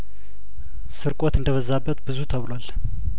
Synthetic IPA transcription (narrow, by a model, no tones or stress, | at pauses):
sɨɾkʼot̪ɨnd̪əβəzːabːət̪bɨzut̪ʰəβlwal